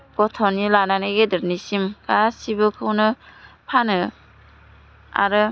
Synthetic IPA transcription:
kɔtʰɔnilananeɡedɯɾnisimkasibɯkʰɯwnɯpʰanɯ | a̰ɾɯ

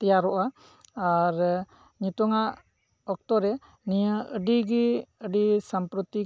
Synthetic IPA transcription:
t̪ɛjaɾɔʔa | aɾ | ɲit̪ɔŋaʔ | ɔk̚t̪ɔɾɛ | nijəəɖiɡiəɖisampɾut̪i

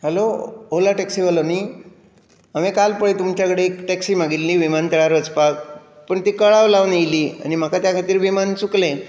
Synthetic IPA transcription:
həloolaʈɛksiːʋəloni | amekalpəɭet̪umt͡ɕjakəɽeːkʈɛksimaɡilliːʋimant̪əɭaɾʋət͡spak̚pəɳt̪ikəɭaʋlaʋnejliːa̰nim̤akat̪jakʰat̪iːɾʋimant͡suklẽ

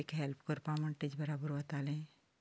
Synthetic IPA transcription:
ekɦelpkəɾpamə̃ɳʈed͡ʒbəɾabəɾʋət̪alẽ

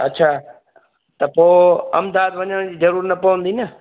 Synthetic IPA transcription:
ɐtːɕʰaː | t̪ɐpoːɐ̰md̪aːd̪ʋɐɲəɽ̃d͡ʑiːzɐɾuːɾnɐpɐʋə̃nd̪iːnɐ

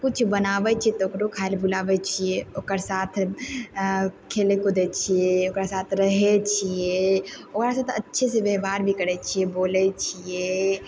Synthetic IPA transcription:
kʊt͡ʃʰbənaːbɛt͡ʃʰiet̪ɔokɾokʰaelbulaːbɛt͡ʃʰieoːkəɾsat̪ʰ | kʰelekod̪ɛt͡ʃʰieokɾasaːt̪ʰɾəɦɛt͡ʃʰieokɾasaːt̪ʰətːʃʰesebebaɾbʱikəɾɛt͡ʃʰiɛboːlɛt͡ʃʰije

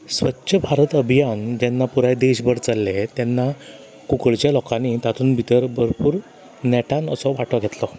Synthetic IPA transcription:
sʋətːɕʰəbʱaɾət̪əbʱijand͡ʑɛnːapuɾajd̪eɕbʱəɽt͡səlːet̪jɛnːa | kukəɭt͡ɕjalɔkanit̪at̪ʰuːnbʱit̪əɾbəɾpuːɾ | nɛʈãnəsɔʋaʈʰʋɔɡʱet̪lɔ

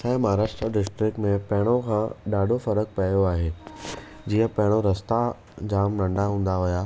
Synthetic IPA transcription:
sãːemɐɦaːɾaːʃʈɾəɖɪsʈɾɪk̚ʈmẽpɐɦɪɽ̃oxʰãːɗaːɖʱofɐɾək̚pɐjoaːɦeː | d͡ʑiːə̃pɐɦɪɽ̃oɾɐst̪a | d͡ʑaːmɾɐ̃ɳɖaɦũːn̆d̪aʋɐja

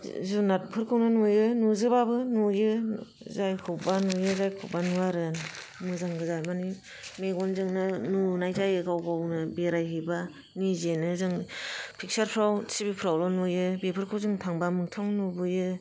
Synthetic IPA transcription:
zunat̚pʰɯɾkʰɯwnɯnujɯnuzɯbabɯnujɯ | zajkʰɯbanujɯzajkʰubanuwaɾɯn | muzaŋɡɯzajmani | meɡɔnzɯŋnɯnunajzajɯɡawɡawnɯbeɾajɦɯba | nizenɯzɯŋpʰik̚saɾpʰɾawsibipʰɾawlɔnujɯbepʰɯɾkʰɯwzɯŋtʰaŋbamɯŋtʰɔŋnubɯjɯ

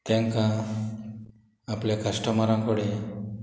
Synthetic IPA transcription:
t̪ɛ̃ŋkã | aplekasʈəmaɾãkɔɽe

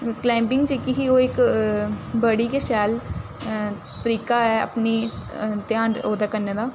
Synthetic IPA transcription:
klaːmpɪŋɡd͡ʒeːkiɦioːɪk | bəɽiːkeʃɛːl | t̪əɾiːkaːɛːə̰pniːt̪jaːnoːd̪aːkəɾneːd̪aː

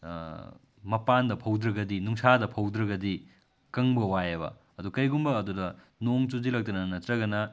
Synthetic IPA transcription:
mɐpandɐpʰɐwd̪ɾɐɡɐdinuŋsadɐpʰɐwdɾɐɡɐdi | kɐŋbɐwajɐbɐ̰ | ɐdukɐjɡumbɐːdudɐ | noŋt͡ʃuzilɐk̚tɐnɐnɐtɾɐɡɐnɐ

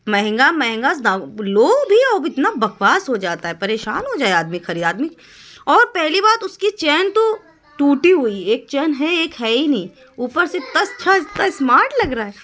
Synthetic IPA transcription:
mɛɦɛ̃ŋɡamɛɦɛ̃ŋɡasd̪aloːɡbʱiɔːbɪt̪nabɐkʋaːsɦod͡ʒaːt̪aɦɛpɐɾeːʃa̰ːnɦod͡ʒaːeaːd̪mixɐɾiːd̪aːd̪mik | ɔːɾpɛɦlibaːt̪ʊskit͡ʃɛːnt̪o | ʈuːʈiɦʊieːk̚t͡ʃɛːnɦɛeːkɦɛːinɐɦĩ | uːpəɾset̪ɐtːʃʰaɪt̪ːasmaːɾʈlɐɡɾaɦɛː

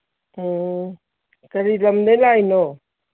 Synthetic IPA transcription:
kəɾiləmdelajnɔ

